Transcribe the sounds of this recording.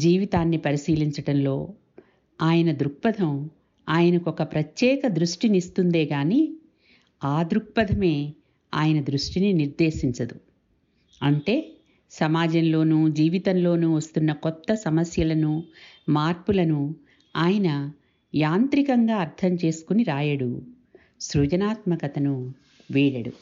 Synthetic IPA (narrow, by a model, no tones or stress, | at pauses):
d͡ʒiːʋit̪aːnːipɐɾisiːliɲt͡ʃɐɽɐnlo̞ː | aːjɐnɐd̪ɾuk̚pɐd̪ʱɐm | aːjɐnɐkɔkɐpɾɐt̪jɛːkɐd̪ɾuʂʈinist̪und̪e̞ːɡaːniː | aːd̪ɾuk̚pɐd̪ʱɐme̞ː | a̰ːjɐnɐd̪ɾuʂʈininiɾd̪e̞ːʃiɲt͡ʃɐd̪u | ɐɳʈe̞ː | sɐmaːd͡ʒɐmlo̞ːnuːd͡ʒiːʋit̪ɐnlo̞ːnuʋɐst̪unːɐkɔt̪ːɐsɐmɐsjɐlɐnumaːɾpulɐnu | aːjɐnɐ | jaːnt̪ɾikɐŋɡaːɐɾt̪ʰɐmt͡ʃe̞ːsu̥kuniɾaːjɐɽu | sɾuːd͡ʒɐnaːt̪mɐkɐt̪ɐnu | ʋiːɽɐɽṵ